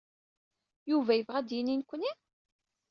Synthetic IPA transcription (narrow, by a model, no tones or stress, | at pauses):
juvæjəvʁæd̪jininkʷːəni